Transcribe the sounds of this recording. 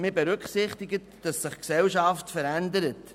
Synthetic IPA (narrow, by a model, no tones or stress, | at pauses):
mɪbɛɾʏkχsɪχtɪɡətd̥ɑsːɪχksɛlʃɑftfəɾændəɾət